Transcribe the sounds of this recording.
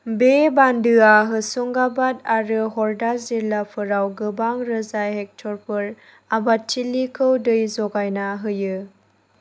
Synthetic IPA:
bebandɯaɦɯsɔŋɡabataɾɯɦɔɾdaziɾlapʰɯɾawɡɯbaŋɾɯzajɦek̚tʰɔɾpʰɯɾ | abatʰːilikʰɯwdɯjzɔɡajnaɦɯjɯ

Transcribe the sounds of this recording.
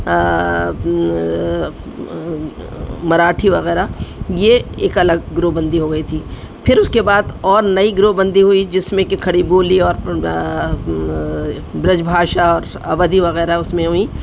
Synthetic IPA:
mɐɾaːʈʰiʋɐɣɛːɾajeeːkɐləɡ̚ɡɾoːbɐ̃nd̪iɦoɡɐit̪ʰiː | pʰɪɾʊskebaːd̪ɔːɾnɐiɡɾoːbɐ̃nd̪iɦuid͡ʒɪsmẽkekʰɐɽiboːliɔːɾ | bɾɪd͡ʒbʱaːʃaɔːɾ | ɐ̰baːd̪iʋɐɣɛːɾaɦɛʊsmẽɦui

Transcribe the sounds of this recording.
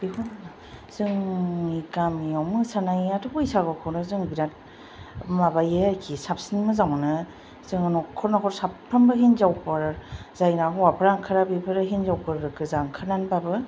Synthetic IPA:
biɦunɯna | z̥ɯŋikamijawmɯsanajatʰɯbɯjsaɡɯkʰɔwnɯzɯŋbiɾat̚ | mabajeakʰisap̚sinmɯzamnɯ | z̥ɯŋanɔkʰɔɾnakʰɔɾsappʰːambɯɦinzawpɯɾzajnakwapʰɯɾaŋkʰɯɾabipʰɯɾɯɦinzawpɯɾɾɯkʰɯzaŋkʰɯnanbabɯ

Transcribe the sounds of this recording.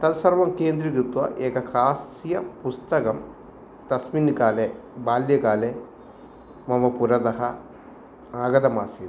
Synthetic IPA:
t̪ɐlsɐɾʋɐmkeːnd̪ɾikɾut̪ʋɐ̰ʔeːkɐkʰaːsijɐpust̪ɐkɐm | t̪ɐsminkaːle | baːljɐkaːleː | mɐmɐpuɾɐd̪ɐɦɐ | aːɡɐd̪ɐmaːsi

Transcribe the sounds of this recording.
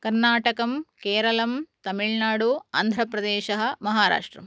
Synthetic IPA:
kɐɾnaːʈɐkɐmkeːɾɐlɐmt̪ɐmiɭnaːɽua̰ːnd̪ʱɾɐpɾɐd̪eːʃɐɦɐ̆mɐɦaːɾa̰ːʂʈɾɐ̰m

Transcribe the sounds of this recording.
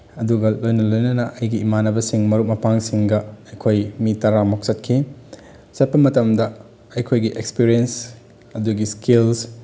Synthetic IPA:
ɐduɡɐlojnɐlojnɐnɐʔɐjɡiːmanɐbɐsiŋmɐɾuk̚mɐpaŋsiŋɡɐɐjkʰojmitɐɾamok̚sɐt̚kʰi | sɐt̚pɐmɐtɐmdɐ | ɐjkʰojɡiʔekspiɾiens | ɐduɡiskils

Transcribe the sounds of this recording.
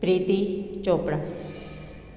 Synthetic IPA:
pɾiːt̪it͡ʃoːpɽa

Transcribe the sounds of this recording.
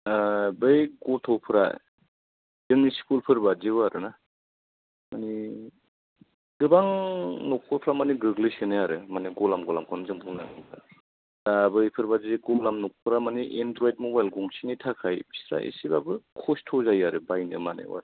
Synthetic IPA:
abɯjɡɔtʰɔwpʰɯɾa̰ | dɯmnispulpʰɯɾbaziwaɾɯna | mani | ɡɯbaŋnɔk̚pʰɔlpʰɾamaniɡɯɡlɯsenɯjaɾɯmaniɡɔlamɡɔlamkʰɔnzɯŋpʰuŋnaŋɯba̰ | dabɯjpʰɯɾbaziɡɔlamnɔk̚pʰɯɾamaniʔendɾɔjd̚mobajlɡɔŋsinitʰakʰajbisɾa̰ʔḭsibabɯkʰɔstʰɔzajaɾɯbajnɯmanḛwa̰ɾ

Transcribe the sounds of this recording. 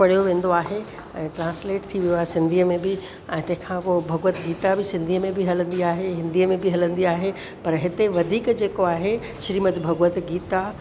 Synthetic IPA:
pɐɽ̤ijoʋẽːn̆d̪oaːɦe | ɛ̃ːʈɾãːnsleːʈt̪ʰiʋijoaːɦesɪ̃nd̪ʱiəmẽbɪ | ɛ̃ːt̪ɐ̃ɦɪ̃kʰãpoːbʱɐɡʋət̪ɡiːt̪abɪsɪ̃nd̪ʱiːəmẽbɪɦɐlə̃nd̪iaːɦeɦɪ̃nd̪iəmẽbɪɦɐlə̃nd̪iaːɦe | pɐɾɦɪt̪eʋɐd̪ʱiːkd͡ʑeːkoaːɦe | ʃɾiːmət̪ʰbʱɐɡʋət̪ɡiːt̪a

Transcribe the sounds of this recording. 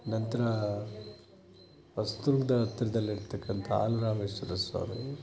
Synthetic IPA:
nɐnt̪ɐɾɐ | ʋɐst̪uɾkd̪ɐɐt̪ːɐɾɐd̪ɐlːiɽt̪ɐkːɐnt̪ʰɐa̰ːluɾaːmeːsʋɐɾɐsʋa̰ːɾu

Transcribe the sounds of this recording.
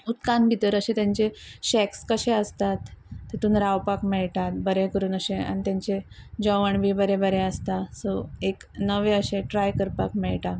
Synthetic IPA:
ut̪kanbʱit̪əɾəɕẽt̪jãɲt͡ɕeɕɛkskəɕẽəst̪at̪ːet̪uːnɾawpakmɛɭʈat̪bəɾekəɾuːnəɕẽa̰ñit̪jaɲt͡ɕed͡ʑəʋəɳbibəɾebəɾẽəst̪asoeknəʋeəɕẽʈɾajkəɾpa̰kmɛɭʈa

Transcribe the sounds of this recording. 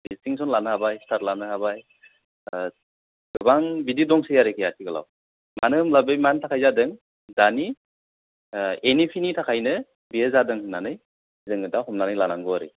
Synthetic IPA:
bistiŋsɔnlanɯhabajstʰat̚lanɯɦabaj | ɡ̥ɯbaŋbididɔŋsɯjaɾɯkʰɯjatʰiɡɯla̰w | manɯɯmlabɯjmantʰakʰajzadɯŋ | dani | enipʰinitʰakʰajnɯ | biezadɯŋhɯnanɯj | dɯŋɯdahɔmnlanɯjlanaŋɡɔaɾɯ̰

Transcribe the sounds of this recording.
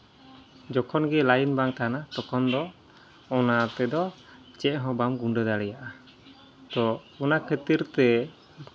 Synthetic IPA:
d͡ʒɔkʰɔnɡɛlajinbaŋt̪aanat̪ɔkʰɔnd̪ɔ | ɔnat̪ɛd̪ɔ | t͡ʃɛʔɦɔ̃bamɡuɳɖəd̪aɽɛjaʔa | t̪ɔunakʰet̪iɾt̪ɛ

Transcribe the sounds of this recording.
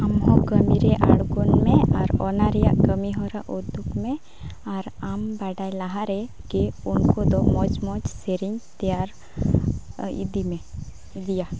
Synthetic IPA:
amɦɔ̃kəmiɾɛʔaɽɡɔnmɛaɾɔ̰naɾɛja̰ʔkəmiɦɔɾaʔud̪ukmɛ | aɾambaɖajlaɦaɾɛ | kiunkɔd̪ɔmɔd͡ʒmɔd͡ʒseɾiɲt̪ɛjaɾ | ḭd̪imɛ | d̪ija

